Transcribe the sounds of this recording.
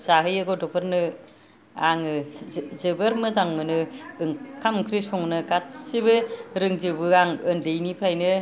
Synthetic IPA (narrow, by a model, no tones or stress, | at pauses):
zaɦɯjɯɡɔdɔpʰɯɾnɯ | aŋɯzɯbɯɾmɯzaŋmɯnɯɯŋkʰamkʰɾisɔŋnɯkat̚siβɯɾɯŋzɯbɯaŋɯnlejnipʰɾajnɯ